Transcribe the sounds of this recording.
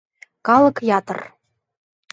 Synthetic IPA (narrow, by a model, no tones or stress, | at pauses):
kɑlɤ̆kjɑt̪ɤ̰̆r